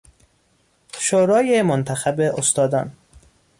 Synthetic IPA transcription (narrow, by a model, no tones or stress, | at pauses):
ʃoɾɒːjemont̪ʰæxæbeʔost̪ɒːd̪ɒːn